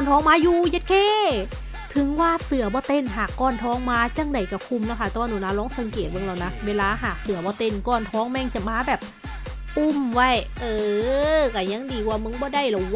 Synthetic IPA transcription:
kɔ˧˨nt̪ʰɔː˦˥ŋmaː˧˥juː˧je˧t̪̚kʰeː˧˥˩ | t̪ʰɯ˨˩˦ŋwaː˧˩˨sɯ˨˩ɐbɔː˧˦t̪e˧˩nɦaː˨˩kːɔː˧˩nt̪ʰɔː˦˥ŋmaː˧t͡ɕa˧˩˨ŋda˨˩jka˧˩kʰu˧˩mlɛː˧˥˩kʰa˧˩t̪ɛː˧˩waː˧nuː˧˩˦naː˧˥lɔː˧˦˥ŋsa˨˦ŋkeː˨˩t̪̚ba˧˨ŋla˧˩wna˦˥weː˧laː˧ɦaː˨˩k̚sɯ˨˩˦ɐbɔː˧˦t̪e˧˩nkɔː˧˩nt̪ʰɔː˧˥ŋmɛ˧˨ŋt͡ɕa˨˩maː˧˥bɛː˨˩p̚ | pu˧˩mwa˧˩jʔɤː˧˩ka˧˩ja˧˥˨ŋdiː˨˩kwaː˧˩mɯ˧˥˨ŋbɔː˧˦da˧˩˨jla˨˩w

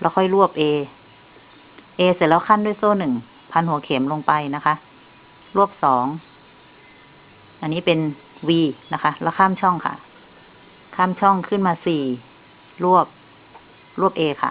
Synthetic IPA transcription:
la˧˩kʰɔ˧˥˩jlu˥˩əp̚ʔeː˧ | ʔeː˧si˨˦lɛː˦˥wkʰa˧˥˨nduː˧˥˨jsoː˧˥˩nɯ˨˩ŋ | pʰa˧nhu˩˦kʰe˩˦mlo˧ŋpa˧jna˦˥kʰa˦˥ʔ | lu˥˩əp̚sɔː˩˦ŋ | ʔa˧˨nːiː˦˥˩pe˧n | wiː˧na˦˧kʰa˦˥la˧˩kʰaː˧˥˨mt͡ɕʰɔ˧˥˩ŋkʰa̰˧˩ | kʰaː˥˩˨mt͡ɕʰɔ˧˥˩ŋkʰɯː˥˩˨nmaː˧siː˨˩ | lu˥˩əp̚ | lu˥˩əp̚ʔeː˧kʰa̰˧˩˨

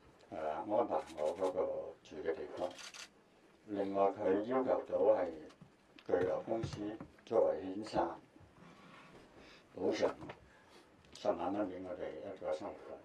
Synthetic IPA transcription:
aː˨ŋɔː˥npaː˨˩ŋɔː˨˧kɔː˨˥kɔː˧t͡ʃyː˨˧˥kɛː˧t̪e˨jfɔː˧˥ŋ | lɪ˨ŋːɔː˨jkʰɵ˨˧ɥjʊ˥ŋkʰɐ˨˩wt̪o˨˧˥whɐ˨j | kɵ˧ɥlɔː˨˩wkʊ˥ŋsiː˥t͡sɔː˧˨wɐ˨˩jhiː˨˥nsʰaː˨˩n | po˨˥wsʰœ̰ː˨˩ŋ | sɐ˨˩maː˨˧nma˧˥ŋpi˨˥ŋɔː˨˧t̪e˨˩jjɐ˥t̚kɔː˧˥sɐ˥ŋwu˨˩t̚laː˥

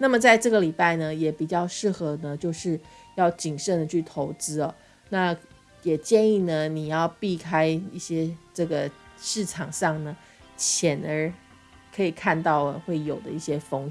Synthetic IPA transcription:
na˥˩mə˨˩t͡sa˥˧ɪʈ͡ʂɤ˥˩ɡə˨˩li˨˩pa˥˩ɪnə˩jɛ˨˥pi˨˩t͡ɕjɑ˥˧ʊʂɻ̩˥˩xɤ˧˥nə˧t͡ɕjo˥˧ʊʂɻ̩˥˧ | jɑ˥˩ʊt͡ɕi˨˩ŋʂə˥˩nd̪ə˩t͡ɕʰy˥˩t̪ʰo˧˥ʊt͡sɹ̩˥ɔ˨ | na˥˩ | jɛ˨˩t͡ɕjɛ˥˧ni˥˩nə˩ni˨˩jɑ˥˧ʊpi˥˩kʰa˥ɪi˥˩ɕjɛ˥ʈ͡ʂɤ˥˩ɡə˩ʂɻ̩˥˩ʈ͡ʂʰɑ˨˩ŋʂɑ˥˩ŋnə˩ | ɕjɛ˨˩nə˞˧˥ | kʰɤ˧˥i˨˩kʰa˥˧nt̪ɑ˥˩ʊə˩xwe˥˩ɪjo˨˩ʊd̪ə̰˦i˥˩ɕjɛ˥fo˧˥ŋ

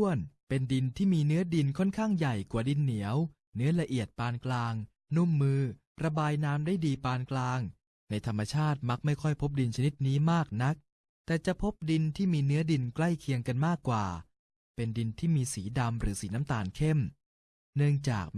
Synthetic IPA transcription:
ənpe˧ndi˧nt̪ʰiː˥˩miː˧nɯ˦˥ɐdi˧nkʰɔ˥˩nkʰaː˥˩ŋja˨˩jkwaː˨˩di˧nːi˩˦əw | nɯ˦˥ɐla˧ʔi˨˩ət̪̚paː˧nklaː˧ŋ | nu˥˩mːɯː˧ | ɾa˧baː˧jnaː˦˥mdaː˥˩jdiː˧paː˧nklaː˧ŋ | na˧jt̪ʰa˧mːa˧t͡ɕʰaː˥˩t̪̚ma˦˥k̚ma˥˩jkʰɔ˥˩jpʰo˦˥p̬̚di˧nt͡ɕʰa˧ni˦˥t̪̚niː˦˥maː˥˩k̚na˦˥k̚ | t̪ɛː˨˩t͡ɕa˨˩ʔpʰo˦˥p̚di˧nt̪ʰiː˥˩miː˧nɯ˦˥ɐdi˧nkla˥˩jkʰi˧əŋka˧nmaː˥˩kːwaː˨˩ | pe˧ndi˧nt̪ʰiː˥˩miː˧siː˩˦da˧mɾɯ̰ː˩˦siː˩˦na˦˥mt̪aː˨˩nkʰe˥˩m | nɯ˥˩əŋt͡ɕa̰ː˨˩k̚

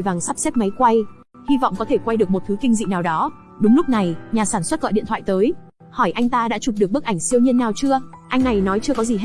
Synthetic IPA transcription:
jvaː˨˩ŋsa˦˥p̚se˦˥t̚ma˨˦jkwa˧j | hi˧vɔ̰˧˨wŋ͡mkɔ˨˦t̪ʰe˧˩kwa˧jɗɨ˨˩əkmo˨˩t̪ʰɨ˨˦kï˧ŋ̟zḭ˧˨naː˨˩wɗɔ˨˦ | ɗʊ˨˦ŋ͡mlʊ˦˥k͡p̚na˨˩jɲaː˨˩saː˧˩nswə˦˥t̚kɔ̰˧˨jɗḭ˧ət̪ʰwa̰ː˧˨jt̪əː˨˦j | hɔ˧˩jʔa˧jŋt̪aː˧ɗa̰ː˧˥t͡ɕu˨˩p̚ɗɨ˨˩ək̚ɓk̚ʔa˧˩ŋ̟si˧əwɲi˧ənːaː˨˩wt͡ɕɨ˧əʔa˧jŋ̟na˨˩jnɔ˨˦jt͡ɕɨ˧əkɔ˨˦zi˨˩ɦ

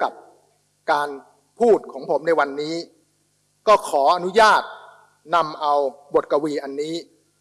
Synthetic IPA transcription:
ka˨˩p̚ | kaː˧n | pʰuː˥˩t̪̚kʰɔː˩˦ŋpʰo˩˦mna˧jwa˧nːiː˦˥ | kɔː˥˩kʰɔː˩˦ʔa˧nu˦˥jaː˥˩t̪̚ | na˧mʔa˧wbo˨˩t̪̚ka˧wiː˧ʔa˧nːiː˦˥

